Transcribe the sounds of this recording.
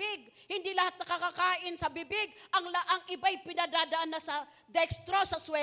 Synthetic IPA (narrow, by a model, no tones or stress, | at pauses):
ɪɡ̚hɪnd̪ilɐhat̪̚nɐkakakaːʔɪnsɐbɪbɪɡ̚ɐŋlaʔɐŋʔɪbajpɪnad̪aːd̪ɐʔanːɐsɐ | d̪ɛkst̪ɾosɐswɛ